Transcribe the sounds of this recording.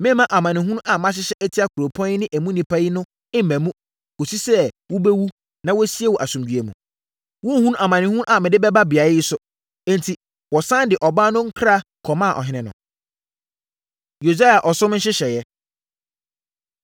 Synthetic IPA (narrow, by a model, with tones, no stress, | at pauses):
mɪ̃˦mã˦ʔa˨mã˨nɪ̃˨ɦũ˦ʔa˨mã˦ɕ̬ɪ˦ɕɛ˦ʔɛ˦tʰi˦a˦kʰu˨ɾo˨pʰɔ̃˦nɪ˦nɪ̃˦ʔæ˨mũ˦nĩ˨pʰa˦ji˦nʊ̃˦ | ɪ̃˦mæ̃˨mũ˦ | ko˨si˦sɛ˦wʊ˦bɛ˦wu˦ | nã˦wɔ˦si˦e˦wɔ˨ʔæ˨sũ˨mdɥe˨mũ˨ | wʊ̃˦hũ˦ʔa˨mã˨nɪ̃˨hũ˦a˨mɪ̃˨dɪ˦bɛ˦ba˦bi˨a˨jɪ˦jɪ˦sʊ˦ | ɛ̃˦ntʰi˨ | wɔ˨sã˦ndɪ˨ʔɔ˨baː˦nʊ̃˦ŋ̩˦kʰɾa˦˨ | kʰɔ˨mã˦˨ʔɔ̰˨ɦɪ̃˦nɪ̃˨nʊ̰̃˨ | jo˨sa˦ja˨ʔɔ˨sʊ̃˦mn̩˦ɕ̬ɪ˦ɕɛ˨jɛ˦